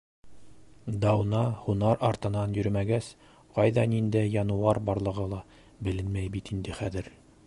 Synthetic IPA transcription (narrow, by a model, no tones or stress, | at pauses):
d̪ɑwnɑhunɑɾʔɑɾt̪ɤ̆nɑnjɵ̆ɾmæɡæs | qɑjðɑnind̪æjjɑnɤ̆wɑɾbɑɾlˠɤ̆ʁɤlˠɑ | bɘ̆lɘnmæjbit̪ind̪ɘχæðɘɾ